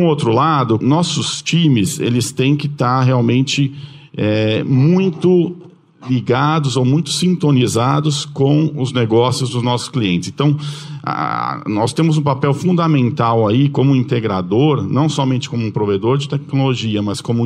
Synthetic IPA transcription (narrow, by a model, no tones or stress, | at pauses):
ũowt̪ɾʊlad̪ʊnɔsʊst͡ʃĩmɪsḛlɪst̪ẽj̃kɪt̪aɾɦeawmẽnt͡ʃɪ | ɛmũj̃t̪ʊ | liɡad̪ʊzowmũj̃t̪ʊ̥sĩnt̪onizad̪ʊskõw̃ʊzneɡɔsjʊzd̪ʊznɔsʊ̥skliẽnt͡ʃɪsẽt̪ɐ̃w̃a̰nɔst̪ẽmʊzũpapɛwfũnd̪amẽnt̪awaikõmʊĩnt̪eɡɾa̰d̪oɾnɐ̃w̃sɔmẽnt͡ʃɪ̥kõmʊũpɾoved̪oɾd͡ʒɪt̪ɛk̚noloʒiɐmɐskõmʊ